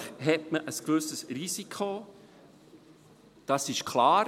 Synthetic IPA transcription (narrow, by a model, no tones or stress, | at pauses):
ɦɛt̚məʔəskvɵsəsrisikʰo | d̥ɑsɪʃkʰlaː